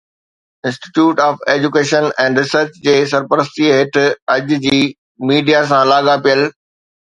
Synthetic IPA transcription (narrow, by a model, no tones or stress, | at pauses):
ɪ̃nsʈi̥ʈjuːʈaːfeːd͡ʑukeːʃənɛ̃ːnɖɾɪsəɾt͡ɕd͡ʑeːs̬ɐɾpəɾəs̬t̪iɦɪʈ̆ʰɐd͡ʑd͡ʑiː | miːɖijas̬ãlaːɡapijəl